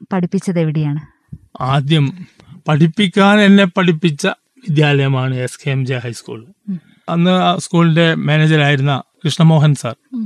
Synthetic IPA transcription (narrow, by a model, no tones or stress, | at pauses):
pɐʈʰipːit͡ɕːɐðeʋiɽijaːɳɨ | aːd̪jɐm | pɐʈʰipːikʲːaːne̞nːe̞pːɐʈipːit͡ɕːɐ | ʋid̪jaːlɐjɐmaːɳɨeskʰejɐmd͡ʑejɦɐjskṵːɭ | ɐnːɨskuːlinde̞meːneːd͡ʑɐɾaːjiɾunːɐkɾɨʂɳɐmo̞ːɦɐnsa̰ːr